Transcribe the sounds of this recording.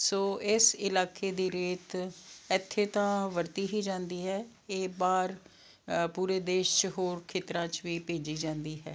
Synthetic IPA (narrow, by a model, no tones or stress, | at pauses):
soːɪsɪlaːkeːd̪iːɾeːt̪ɛt̪ʰːeːt̪ãːʋəɾt̪iːɦiːd͡ʒãːnd̪iːɦɛː | eːbaːɾ | puːɾeːd̪eːʃt͡ʃɦoːɾkʰeːt̪ɾãːt͡ʃʋiːpeːd͡ʒiːd͡ʒãːnd̪iːɦɛ̰ː